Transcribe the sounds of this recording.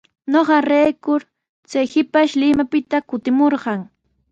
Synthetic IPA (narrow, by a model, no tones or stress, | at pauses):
noɢɑɾejkʊɾ | t͡sajhɪpaʃlɪmapɪt̪akʊt̪ɪmoɾɢɑŋ